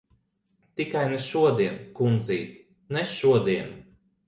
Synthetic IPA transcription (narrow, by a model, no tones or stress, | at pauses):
t̪ikajnɛʃuɔd̪iɛnkund̪ziːt̪ | nɛʃuɔd̪iɛn